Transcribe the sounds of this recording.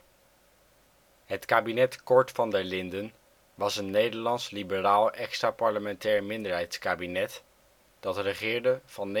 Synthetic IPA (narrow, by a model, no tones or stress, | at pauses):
ɦətkaːbinɛtkɔɹtfɑndəlɪndən | ʋɑsənːejdəɹlɑnslibəraːlˠʔɛkstraːpɑɹləmɛntɛːɹmɪndəɹɦɛjtskaːbinɛt | d̥ɑtrəχɪːɹdəv̥ɑnː